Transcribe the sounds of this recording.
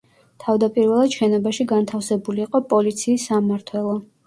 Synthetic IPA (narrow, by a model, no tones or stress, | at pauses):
t̪ʰavd̪apʼiɾvɛlˠad̪̥ʃɛnɔbaʃiɡant̪ʰafsɛbuliːqʼɔpʼɔlit̪sʰiːsːamaɾt̪ʰwɛlˠɔ